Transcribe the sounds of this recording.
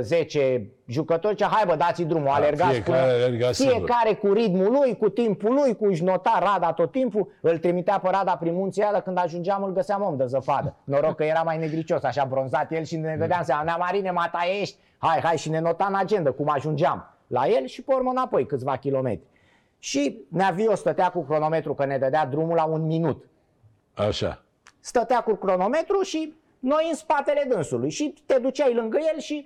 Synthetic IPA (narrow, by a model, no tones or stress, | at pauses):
ze̞t͡ʃe | ʒukət̪oɾt͡ʃaɦajbəd̪at̪sid̪ɾumoalerɡaskufie̞kaɾe̞kuɾit̪mulujkut̪impulujkuʃno̞t̪arad̪at̪o̞t̪ːimpuɨlt̪ɾimit̪eapəɾad̪apɾinmunt̪siad̪əkɨnd̪aʒund͡ʒamɨlɡəseamomd̪əzəfad̪əno̞ɾo̞ɡ̚kːəje̞ɾamajne̞ɡɾit͡ʃo̞saʃabɾo̞nzat̪jelʃinneɡ̪əd̪eams̬amaneamaɾinemat̪ajeʃt̪ʲ | hajɦajʃine̞no̞t̪anad͡ʒe̞nd̪əkumaʒund͡ʒam | la̰je̞lʃipormənapo̞jkɨt̪sʲvakʲilo̞me̞̰t̪ɾʲi̥ | ʃineaviost̪ət̪eakukɾo̞no̞me̞t̪ɾukəne̞d̪əd̪ead̪ɾumulaunminut̪ | a̰ʃa̰ | st̪ət̪eakukɾo̞no̞me̞t̪ɾuʃi | no̞jɨnspat̪e̞le̞d̪ɨnsulujʃit̪e̞d̪ut͡ʃajlɨŋɡəje̞lʃi